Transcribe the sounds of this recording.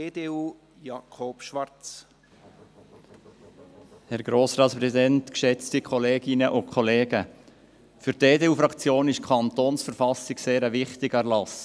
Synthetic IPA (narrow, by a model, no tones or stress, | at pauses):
eːdeːuː | jɑkʰopʃʋɑrt͡s | hɛɾɡ̥ɾoːsɾɑːtspɾɛsidɛntkʃɛt͡stikʰχɔleːɡ̥ɪnəʔʊkʰχɔleːɡə | fʏɾteːdeːuːfɾɑkt͡sjoːnɪʃkʰɑnt̪oːnsfəɾfɑsɪɡseːɾəʋɪχtɪɡəærlɑs